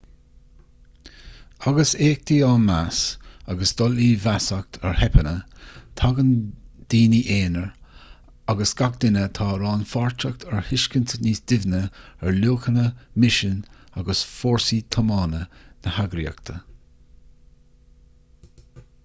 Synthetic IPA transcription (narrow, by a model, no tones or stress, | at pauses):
aɡəseːk̚t̪iaːnmasaɡəsd̪̥ɔliːvasak̚t̪ʰɛɹhɛpʰənət̪ʰaɡənd̪̥iːniʔeːnəɹ | aɡəsɡ̥ak̚d̪ɪnət̪ʰɑːɾɑːnfaɹt͡ʃək̚t̪ʰɛɹhɪʃkənt̪ʰəniːsd̪̥ɪvnəɛɹluːkənəmɪʃənaɡəsfoːɹsit̪ʰəmɑːnənəhaɡɾiə̰k̚t̪ʰə